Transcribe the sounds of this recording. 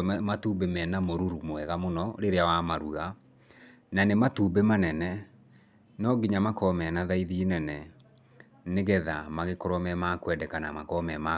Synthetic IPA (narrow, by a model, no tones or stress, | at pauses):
matubemɛnamoɾuɾumwɛɣamonɔɾeɾeawamaɾuɣa | nanematuːbemanɛnɛ | nɔɡiɲamakɔmɛnaðaiðiːnɛnɛ | neɣɛðamaɣekɔɾɔmɛmakwɛdɛkanamakɔmɛma